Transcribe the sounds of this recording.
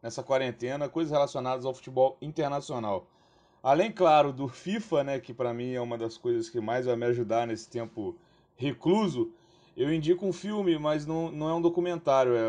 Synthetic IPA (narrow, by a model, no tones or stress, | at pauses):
nɛsɐkwaɾẽnt̪ẽnɐkojzɐshelasionad̪ɐzawfu̥t͡ʃibɔwĩt̪eɾnasionaw | alẽj̃klaɾʊd̪ʊfifɐnɛkɪpɾɐmĩɛũmɐd̪ɐskojzɐskɪmajzvajmɪaʒud̪aɾnesɪ̥t̪ẽmpʊ | hekluzʊ | ewĩd͡ʒikʊũfiwmɪmɐznɐ̃w̃nɐ̃w̃ɛũd̪okumẽnt̪aɾjʊɛ